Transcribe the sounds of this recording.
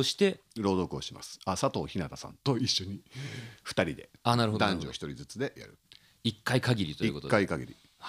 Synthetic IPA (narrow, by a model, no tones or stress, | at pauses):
oɕi̥t̪e̞ɾo̞ːd̪o̞kɯ̟oɕima̰sɨ̥asat̪o̞ːçinat̪asã̰nt̪o̞iɕːo̞ɲ̟iɸɯ̥t̪aɾʲid̪e̞anaɾɯhod̪ãɲd͡ʑio̰çi̥t̪o̞ɾʲizɨt͡sɨd̪e̞ja̰ɾɯ̟̰ | ikːaikaɡʲiɾʲit̪oiḭkok̪tokːaikaɡʲḭɾʲḭ | h